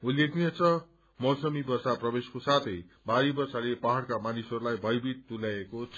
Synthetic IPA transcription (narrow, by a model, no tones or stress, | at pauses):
ulːek̚ʰet͡sʰʌ | mʌwsʌmibʌrsaprʌbeskosat̪ʰʌj | baɾibʌrsalepaɦaɽkamanisɦʌɾulajbʱʌjbit̪ːulaekot͡sʰ